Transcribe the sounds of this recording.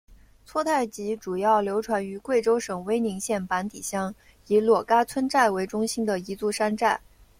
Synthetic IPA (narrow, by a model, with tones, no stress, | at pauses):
t͡sʰwɔ˥t̪ʰa˥˩ɪt͡ɕi˧˥ʈ͡ʂu˨˩jɑ˥˩ʊljo˧˥ʊʈ͡ʂʰwa˧˥ny˧˥kwe˥˩ɪʈ͡ʂo˥ʊʂɤ˨˩ŋwe˥ɪni˧˥ŋɕjɛ˥˩npa˧˥nt̪i˨˩ɕjɑ˥ŋ | i˧˥lwɔ˨˩ka˥t͡sʰwə˥nʈ͡ʂa˥˩ɪwe˧˥ɪʈ͡ʂʊ˥ŋɕi˥nd̪ə˨i˧˥t͡su˥˩ʂa˥nʈ͡ʂa˥˩ɪ